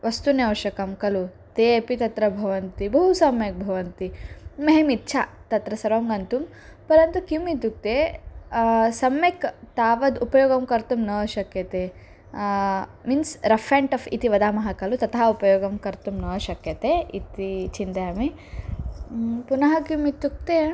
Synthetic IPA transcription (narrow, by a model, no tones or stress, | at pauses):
ʋʔɐst̪unɐwʃɐkɐmkɐlu | t̪eːepit̪ɐt̪ɾɐbʱɐʋɐnt̪ibɐɦusɐmjek̚bʱɐʋɐnt̪iːeɦemit̪ːt͡ʃʰat̪ɐt̪ɾɐsɐɾʋɐmɡɐnt̪um | pɐɾɐnt̪ukimit̪uk̚t̪e | sɐmjekt̪aːʋɐd̪upɐjoːɡɐmkɐɾt̪umnɐːʃɐkjɐt̪e | minsɾɐfʰeːɳʈɐfʰit̪iʋɐd̪aːmɐɦɐkɐlut̪ɐt̪ɐɦɐupɐjoːɡɐmkɐɾt̪umnɐːɐʃɐkjɐt̪eit̪it͡ʃind̪ɐjaːmi | punɐɦɐkimit̪ːuk̚t̪e